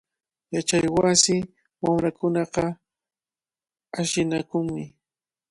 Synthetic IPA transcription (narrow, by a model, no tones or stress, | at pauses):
jat͡ʃajwasɪ | wamɾakʊnɑqɑ | aʃɪnakʊŋmɪ